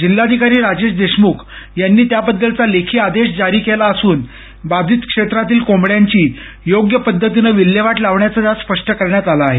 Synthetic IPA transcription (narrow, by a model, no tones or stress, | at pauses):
d͡ʑilːad̪ʱikaɾiːɾad͡ʑeɕd̪eɕmukʰjanːiːt̪jabəd̪ːəlt͡salekʰiːad̪eɕd͡zaɾiːkelaəsuːn | bad̪ʱiːt̪kʂet̪ɾat̪iːlkomɽjaɲt͡ɕiː | joɡjəpəd̪ʱːət̪̬inəʋilːjeʋaʈlaʋɳjat͡sad̪aspəʂʈəkəɾɳjat̪alaːɦe